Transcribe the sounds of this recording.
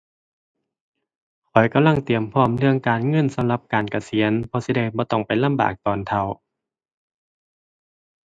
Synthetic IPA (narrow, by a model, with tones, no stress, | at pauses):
kʰɔ˨˩jka˧˨mla˧˥˩ŋt̪i˨˩əmpʰɔː˧˥˩mlɯ˧˩əŋkaː˨˩nŋɤ˧˥˨nsa˨˦mla˧˥p̚kaː˨nka˧˩si˨˩˦ənpʰɔː˧si˧˦da˧˩jbɔː˧˦t̪ɔ˧˥˩ŋpa˨jla˧˥˨mba̰ː˨˩k̚t̪ɔː˨˩nt̪ʰa˧˩˨w